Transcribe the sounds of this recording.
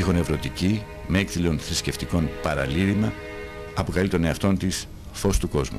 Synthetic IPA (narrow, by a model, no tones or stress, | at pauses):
ixone̞vɾo̞t̪ici | meekθilo̞nθɾisce̞ft̪iko̞npɐɾɐ̰liɾimɐ | ɐpo̞kɐlit̪o̞ne̞ɐft̪o̞nt̪is | fo̞st̪uko̞zmṵ